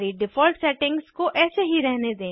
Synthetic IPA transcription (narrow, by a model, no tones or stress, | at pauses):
ɾiɖɪfɔːlʈsɛːʈɪ̃ŋɡz̥koʔɛːseɦiɾɛɦned̪ẽː